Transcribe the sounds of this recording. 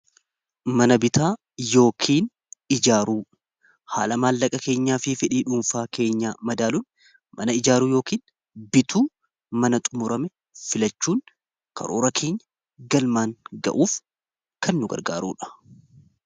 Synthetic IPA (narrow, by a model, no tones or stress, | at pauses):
mɐnɐbɪt̪ʰaː | jo̞ːkʰiːn | ɪd͡ʒaːɾuː | haːlɐmaːlːɐkʼɐke̞ːɲːaːfɪfɪᶑiːᶑuːnfaːke̞ːɲːaːmɐd̪aːlʊn | mɐnɐɪd͡ʒaːɾuːjo̞ːkiːn | bɪt̪ʰuː | mɐnɐt̪ʼʊmʊɾɐmɛ | fɪlɐt͡ʃːuːŋ | kɐ̰ɾo̰ːɾɐkʰe̞ːɲːɐ̥ | ɡɐlmaːŋɡɐ̰ʔuːf | kɐnːʊɡɐ̰ɾɡaːɾṵːᶑɐ̥